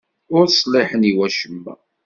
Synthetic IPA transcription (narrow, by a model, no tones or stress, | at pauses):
ʊɾsˤlɪħəniwæʃəmːæ̰